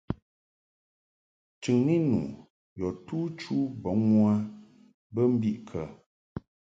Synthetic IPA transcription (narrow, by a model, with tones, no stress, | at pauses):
t͡ʃʉ˨ŋni˦nṵ˨ | jɔ˨tuː˦t͡ʃu˦bɔ˨˦ŋwa˦ | bə˦m̩˦bi˦ʔkʰə˨